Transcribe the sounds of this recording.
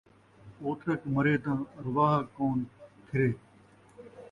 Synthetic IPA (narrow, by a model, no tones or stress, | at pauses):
oːt̪ʰɾəkməɾeːt̪ãːɾʊʋaːɦkoːnkʰɪɾeː